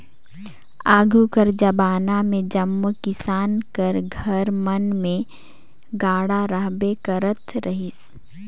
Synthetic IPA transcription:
aːɡʱukəɾd͡ʒɐbaːnamẽd͡ʒəmːkɪsaːnkəɾɡʱəɾmənmẽ | ɡaːɽaɾəɦbekəɾət̪ʰɾəɦɪs

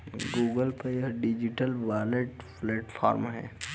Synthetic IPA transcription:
ɡuːɡəlpeəɾɖid͡ʒɪʈəlʋaːleʈpleːʈfʰa̰ːɾmɦɛ̰̃ː

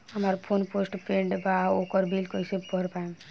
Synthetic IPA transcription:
ɐmaːɾpʰonpoːsʈpʰẽɳɖbaoːkɔɾbiːlkoisebɔɾpaẽ

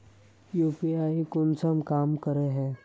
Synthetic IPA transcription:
juːpiaːikʊnsɐmkaːmkəɾeɦɛ̃ː

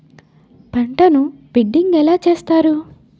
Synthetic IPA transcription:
pɐɳʈɐnubiɖːiŋɡɛlaːt͡ʃeːst̪aːɾu

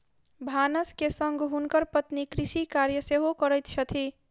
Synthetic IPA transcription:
bʱanəskesʌŋɡɦunkʌɾpʌt̪nikɾisikaɾjəseɦokʌɾəjt̪̚t͡ʃʰʌt̪ʰi

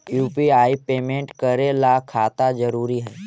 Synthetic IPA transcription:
juːpiaːipeːmẽɳʈkəɾelakʰaːt̪ad͡ʒɐɾuːɾiɦɛː

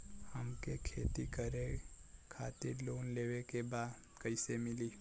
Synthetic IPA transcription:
həmkekʰeːt̪ikəɾekʰa̰ːt̪ɪ̰ɾloːnleːʋekebaːd̪ | kəɪsemɪliː

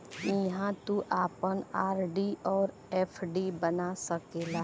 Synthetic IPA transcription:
ɪɦãt̪uʔaːpənaːɾɖiʔɔːɾ | eːpʰɖibənasəkelaː

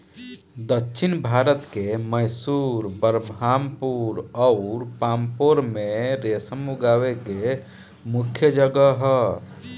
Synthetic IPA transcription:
d̪əkːʃʰɪnbʱaːɾət̪keməɪsuːɾbəɾbaːmpuɾɔʊɾpãːmpoːɾmẽɾesəmuɡaːʋeke | mʊkʰjəd͡ʒəɡəɦɛ

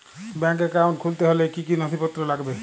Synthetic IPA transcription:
bɛŋk̬ekawɳʈ̚kʰult̪eɦolekikinɔt̪ʰipɔt̪ːɾolaɡbe

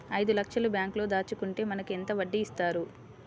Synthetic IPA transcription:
ɐjd̪ulɐkʂɐlubjaːŋklo̞ːd̪aːt͡ʃukuɳʈe̞ːmɐnɐkuent̪ɐʋɐɖːiːst̪aːɾu

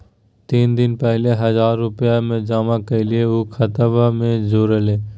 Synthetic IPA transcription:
t̪iːnd̪ɪnpɛɦleɦɐzaːɾːʊpjamẽd͡ʒaːmakelieuːkʰət̪əbamẽd͡ʒoːɾeleː

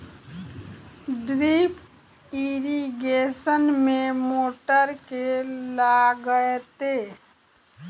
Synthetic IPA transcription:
ɖɾiːp | iɾiɡeːʃənmẽmoːʈəɾkelaɡəet̪eː

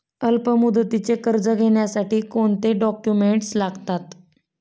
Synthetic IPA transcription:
əlpəmud̪ət̪it͡sekəɾd͡zəɡʱeɳjasaʈiːkoɳt̪eɖɔkjumeɳʈslaɡt̪at̪

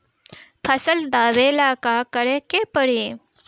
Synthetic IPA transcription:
pʰəsəld̪aːʋeːlaːkakəɾekepəɽi

